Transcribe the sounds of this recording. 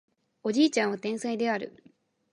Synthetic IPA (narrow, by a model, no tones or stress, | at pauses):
o̞d͡ʑiːt͡ɕãɰ̃βat̪ẽ̞ɰ̃said̪e̞aɾɯ̟̰